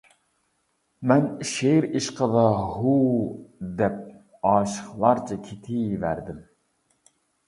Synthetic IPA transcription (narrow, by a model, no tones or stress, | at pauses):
mɛnʃeɾiʃqʰəd̪ɑhu | d̪ɛp̚ | ɑːʃə̥χlˠɑɾt͡ʃʰɑkʲʰet̪ʰɪvæ̰ɾd̪ɪm